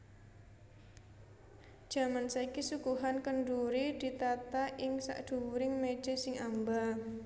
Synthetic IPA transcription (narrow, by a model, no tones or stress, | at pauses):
d̥ʒ̥a̤mansaikisukuɦankəɳɖuɾid̪̥i̤t̪at̪aʔɪŋsa̰ʔd̪̥ṳwuɾɪŋme̥ʒ̥e̤sɪŋamba